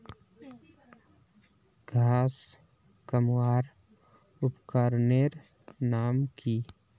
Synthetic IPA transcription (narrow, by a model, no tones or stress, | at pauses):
ɡʱaːs | kəmwaːɾ | ʊpkaɾneɾ | naːmkʰi